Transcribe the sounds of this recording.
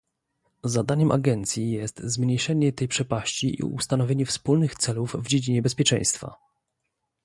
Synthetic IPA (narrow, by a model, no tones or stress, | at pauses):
zad̪aɲɛmʔa̰ɡɛnt̪sʲjijɛst̪zmɲejʂɛɲɛt̪ɛjpʂɛpaɕt͡ɕiʔḭṵst̪anɔvʲeɲɛfspulnɘxt̪sɛluvvd͡ʑed͡ʑiɲɛbɛspʲjɛt͡ʂɛ̰̃j̃st̪fa̰